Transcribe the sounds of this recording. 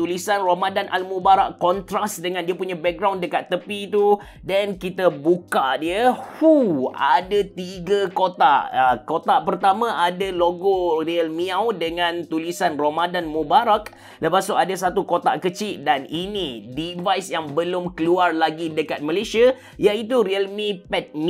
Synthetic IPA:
t̪ulisanromadanʔa̰lmũbaɾaʔkːɔnt̪ɾasdəŋãndiəpuɲãbɛk̚ɡɾawndəkat̪ːəpit̪u | dankit̪abukadiəhuadat̪iɡakot̪a̰ʔəkot̪aʔpərt̪amãʔadaloɡoriəlmiawdəŋãnt̪ulisanromadanmũbaɾak | ləpasʊadasat̪ukot̪a̰ʔkət͡ʃiʔdaninĩdivajsjaŋbəlʊmkəluarlaɡidəkat̪̚məlesia | jait̪̬uɾiəlmipɛt̪̚m

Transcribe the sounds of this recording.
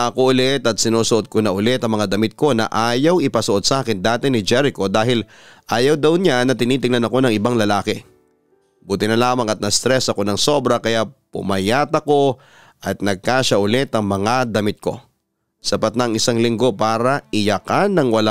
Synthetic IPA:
ʔɐkoʔʊlɛt̪ɐt̪̚sɪnuːsʊʔo̞d̪̚konɐʔʊlɛt̪ɐŋmɐŋad̪ɐmɪt̪̚ko̞nɐ̰ʔaːjɐwɪpɐsʊʔo̞d̪saːkɛnd̪aːt̪ɛnɪd͡ʒɛɾɪko̞d̪aːɦɪl | ʔaːjɐwd̪ɐwɲanːɐt̪ɪniːt̪ɪŋlɐnɐko̞nɐŋɪbaŋlɐlaːkɛ | buːt̪ɪnɐlaːmɐŋɐt̪̚nɐst̪ɾɛsɐko̞nɐŋso̞bɾɐkɐjapʊ̰mɐjaːt̪ɐko̞ | ʔɐt̪̚nɐɡ̚kaːʃɐʔʊlɛt̪ɐŋmɐŋad̪ɐmɪt̪̚ko̞̰ | sɐpat̪nɐŋɪsaŋlɪŋɡo̞paːɾɐʔɪjɐkanːɐŋwɐla

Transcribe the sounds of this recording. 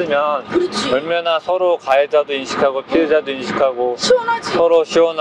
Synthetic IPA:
ɯmjʌnʌɭmjʌnasʰʌɾokaed͡ʑadoinɕʰi̥kʰaɡopʰied͡ʑadoinɕʰi̥kʰaɡoɕsʰʌɾoɕʰiwʌn

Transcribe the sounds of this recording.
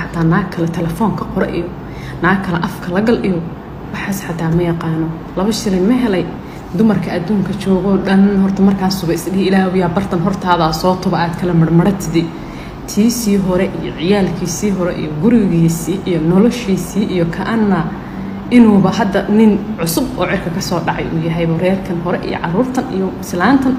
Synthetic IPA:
ħɑt̪ʰːaːnaːkkʰɐlɛt̪ʰɛlɛfɔːŋkʰɐqɔɾɐʔḭjɔ | naːɡkʰːɐlɛʔɐfkʰɐlɐɣɐlɗɪɣɔ | wɑħaːsħɑt̪ʰaːmɐjɑqɑːnɔ | lɐβɐʃɪlɛnmɐɦɛlɛj | d̪ʊmɐrkʰɐɐd̪uːŋkʰɐt͡ʃɔːɣɔːɖɐnhɔrt̪ʰɐmɐrkʰaːsʊβɐɪsɗɪhɪlaːhʊjaːbɐrt̪ʰɐnɦɔrt̪ʰaːðaːsɔːt̪ʰʊβɐaːd̪kʰɐlɐmɐrmɐɽɐt̪ʰɪd̪ɪ | t̪ʰiːsiːɦɔɾɛʔijɔ̰ʕɪjaːlkʰiːsiːɦɔɾɛʔḭjɔɡʊɾɪɣiːsiːʔijɔnɔlɔʃiːsiːʔijɔkʰɐʔɐnːɐ | ʔɪnuːβɐɦɐd̪ɐnɪnʕʊsʊbɔ̰ːʕɪrkʰɐkʰɐsɔːɖɑʕɑ̰jʔṵːjɐɦɛjβɐɾɛːrkʰɐnɦɔɾɛʔḭjɔ̰ʕɑruːrt̪ʰɐnḭjɔslaːnt̪ʰɐn

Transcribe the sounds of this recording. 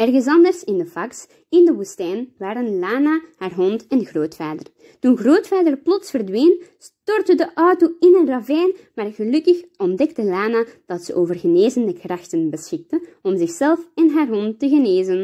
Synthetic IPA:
ɛrɣənsɑndərsɪndəfɑks | ɪndəʋustɛːnʋaːɾənlaːnahaːrɦɔntɛnɣroːtfaːdər | tunɣroːtfaːdərplɔtsfərdʋeːnstɔrtədəʔɔwtoɪnənrɑvɛːnmaːrɣəlɵkəxɔndɛktəlaːnad̥ɑtsəʔoːvərɣəneːzəndəkrɑxtənbəsxɪk̚təɔmzɪxsɛlˠfɛnɦaːrɦɔntːəɣəneːzən

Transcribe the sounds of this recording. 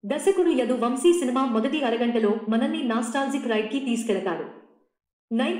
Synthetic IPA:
d̪ɐsɐkuɽujɐd̪uʋɐmsiːsinimaːmɔd̪ɐʈiɐɾɐɡɐɳʈɐlo̞ːmɐnɐnːinaːsʈaːld͡ʒikɾɐjʈ̚kit̪iːs̬u̥kɛlɐt̪aːɾu | nɐj

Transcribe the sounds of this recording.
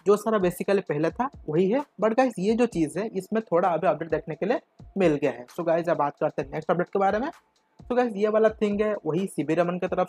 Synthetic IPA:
d͡ʒoːsaːɾabeːsɪkəlipɛɦlet̪ʰaʋɐɦiɦɛbɐɽɡaːɪzjed͡ʒoːt͡ʃiːzɦɛʔɪsmẽt̪ʰoːɽaɐbʱiɐp̚ɖeːʈ̚d̪eːkʰnekelie | mɪlɡɐjaɦɛːsoɡaːɪzjabaːt̪̚kɐɾt̪ẽɦɛneːksʈɐb̚ɖeːʈ̚kebaːɾemẽ | soɡaːɪzjebaːlat̪ʰɪ̃ŋɡɦɛʋɐɦisɪbiɾjəmənket̪ɐɾəf

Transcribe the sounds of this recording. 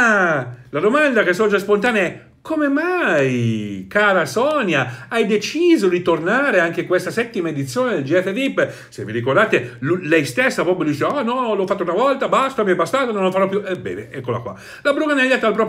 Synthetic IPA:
alad̪omand̪akesɔd͡ʒaspont̪aːneɛ | kʰomemajkaːɾasɔnjaajd̪et͡ʃiːzoɾit̪ornaɾeaŋk̟ekwest̪asɛt̪ːimaed̪it̪sːjoːned̪eld͡ʒiɛt̪ːed̪ipː | sḛvːiɾikord̪aːt̪elulɛjst̪esːapɾɔːpɾjod̪iːt͡ʃeanɔlɔfːat̪ːounavɔlt̪abast̪amiɛbast̪aːt̪anõnlːofaɾɔpːjuʔɛbɛ̰ːvḛɛkːola̰kwa̰ | labɾukanɛʎːat̪ːalpɾɔːp

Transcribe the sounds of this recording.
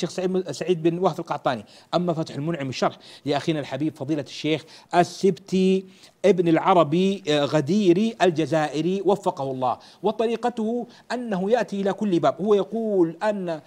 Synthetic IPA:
eːxsaisaʕiːd̪̚bɪnwahfɪlqɑʕt̪ˤɑːni | ʔamːafat̪ħɪlmʊnʕɪmɪʃːɑɾˤħlɪʔaxiːnalħabiːbfɑðˤiːlaʃːeːxʔasːɪbt̪iʔɪbnalʕɑɾˤɑbiɣad̪iːɾiʔald͡ʒazaːʔɪɾiwafːɑqɑhʊlˤːɑ̰ːh | wɑt̪ˤɑɾiːqat̪ʊhʊ | ʔanːaɦʊjaʔt̪iʔɪlakʊlːbaːbhʊwːajɑquːlʔanːa

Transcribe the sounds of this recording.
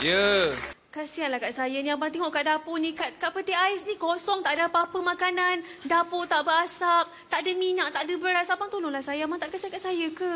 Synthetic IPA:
jə | kasianlahkaʔsajəniabaŋt̪ɛŋɔʔkaʔdaponĩkaʔ̚kaʔpət̪iaɪsnikɔsɔŋt̪aʔdapapəmãkanandapot̪aʔbəasap̚t̪aʔdəminaʔ̚t̪aʔdəbəɾasapaŋt̪olonlahsajamaŋt̪aʔkasiankaʔsajəka

